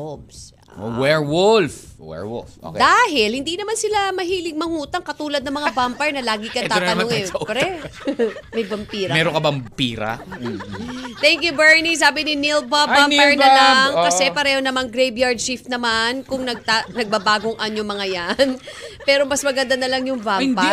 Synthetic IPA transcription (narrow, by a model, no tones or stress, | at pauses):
obs | wɛɹwʊlfwɛ̰wʊfo̰d̪aːɦɪlhɪnd̪inɐmansɪlamɐɦiːlɪɡ̚mɐŋuːt̪ɐŋkɐt̪uːlɐd̪nɐmɐŋabampɛɹnɐlaːɡɪkɐt̪ɐnoŋɛpɐɾɛ | mɐjbɐmpiːɾɐmɛɾokɐbɐmpiːɾɐ̰ | t̪ɛŋkjʊbɛɹnis̬aːbɪnɪnilvavampɛɹnɐlaŋkɐsɛpɐɾɛːho̞nɐmaŋɡɾɛjbjaɹd̪̚t͡ʃifnɐmankʊŋnɐɡ̚t̪anɐɡ̚bɐbaːɡoŋʔɐɲomɐŋajanpɛːɾo̞mɐsmɐɡɐnd̪anɐlɐŋjʊŋvamdpɐ